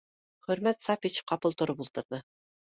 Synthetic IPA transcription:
χɵ̆ɾmæt̪sapʲit͡ɕqɑpɤ̆lˠt̪ŏɾɤpulˠt̪ɤ̆ɾðɤ

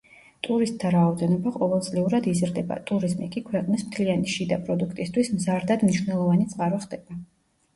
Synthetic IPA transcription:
t̪ʼuɾist̪̚ʼt̪ʰːaɾaɔd̪ɛnɔbaqʼɔvɛlˠt̪sʼliuɾad̪izɾd̪ɛba̰t̪ʼuɾizmḭkʼikʰwɛqʼnismt̪ʰlianiʃid̪apʼɾɔd̪ukʰt̪ʼist̪ʰwismzaɾd̪ad̪mniʃwnɛlˠɔvanit̪sʼqʼaɾɔχd̪ɛb̥a

